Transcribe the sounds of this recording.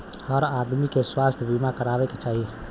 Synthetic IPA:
həɾad̪mikeswaːst̪ʰbimakəɾaːbeket͡ʃaːɦi

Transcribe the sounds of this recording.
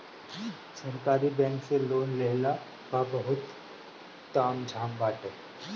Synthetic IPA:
səɾkaːɾibɛ̃ːŋkseloːnleːla | kabɐɦʊt̪ː | aːmd͡ʒʱaːmbaːʈe

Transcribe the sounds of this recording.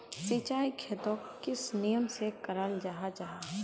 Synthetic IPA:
sit͡ʃaːikʰeːt̪õkɪsnijəmsekɐɾaːld͡ʒaɦad͡ʒaɦaː

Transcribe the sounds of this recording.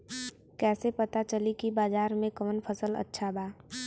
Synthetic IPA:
kɛːsepɐt̪at͡ʃəlikibaːzaːɾmẽkəmənpʰəsələ̰tːʃʰabaː

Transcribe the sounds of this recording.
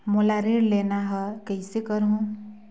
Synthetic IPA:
molaɾeɽlenaɦɔkəjsekəɾɦũ

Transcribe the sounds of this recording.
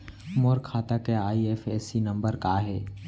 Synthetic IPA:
moɾkʰːaːt̪akeaːieːfɛːsinɐ̃mbəɾkaɦɛː

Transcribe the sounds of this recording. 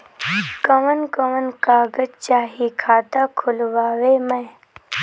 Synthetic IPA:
kəʋənkəʋənkaːɡəd͡ʒt͡ʃaːɦikʰaːt̪aːkʰʊlʋaːʋeːmɛ̃ː

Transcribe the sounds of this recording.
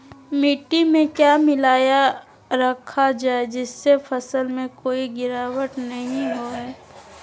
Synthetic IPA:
miʈːimẽkjaːmɪlaːja | ɾɐkʰad͡ʒaːed͡ʒɪsːefəsəlmẽkoːiɡɪɾaːwəʈnɐɦĩɦoɛː

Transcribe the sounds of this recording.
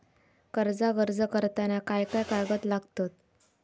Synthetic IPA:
kəɾd͡zaɡəɾd͡zəkəɾt̪anakajkajkaɾɡət̪laɡt̪ot̪̚

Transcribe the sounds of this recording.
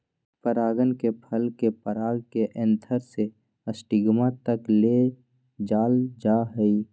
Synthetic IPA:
pəɾaːɡənkepʰəlkepəɾaːɡkeʔə̃nt̪ʰəɾse | əsʈiɡmãt̪əkle | d͡ʒaːld͡ʒaɦəi

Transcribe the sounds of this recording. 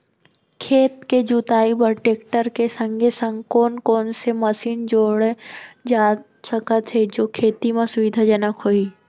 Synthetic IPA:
kʰeːt̪ked͡ʒut̪aːibəɾʈeːkʈəɾkesə̃ŋɡʱesə̃ŋɡkɔːnkɔːnsemɐsiːnd͡ʒoːɽed͡ʒaː | səkət̪ʰɦed͡ʒoːkʰeːt̪imẽsʊʋɪd̪ʱad͡ʒɐnəkɦoːiː

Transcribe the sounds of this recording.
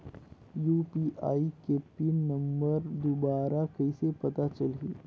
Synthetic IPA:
juːpiːʔaːikeːpinɐ̃mbəɾd̪obaːɾakɐisepɐt̪at͡ʃɐlɦḭː

